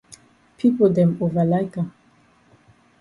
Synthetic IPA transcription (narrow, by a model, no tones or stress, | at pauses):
pʰipɔd̪ɛ̃movalajka